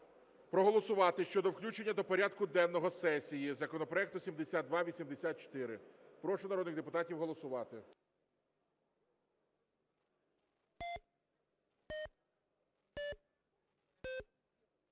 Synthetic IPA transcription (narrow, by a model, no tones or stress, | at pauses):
pɾɔɦɔlˠɔsʊʋɑt̪ɪʃt͡ʃɔd̪ɔwklʲut͡ʃenʲːɐd̪ɔpɔɾʲad̪kʊd̪ɛnnɔɦɔsɛsʲijizɐkɔnɔpɾɔɛk̚t̪ʊsʲimd̪esʲat̪̚d̪ʋɑʋʲisʲimd̪esʲat̪̚t͡ʃɔ̥t̪ɪɾɪpɾɔʃɛnɐɾɔd̪nɪɣd̪epʊt̪ɑtʲiwɦɔlˠɔsʊʋɑt̪ɪ